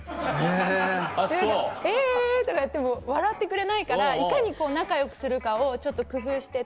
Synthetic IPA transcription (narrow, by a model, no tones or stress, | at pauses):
e | eeːd̪akajat̪ːemoβaɾat̪ːe̞kɯ̟ɾe̞naikaɾaikaɲ̟iko̞ːnakajo̞kɯ̟̥sɨɾɯ̟kao̞t͡ɕo̞t̪ːo̞kɯ̟ɸɯːɕi̥t̪e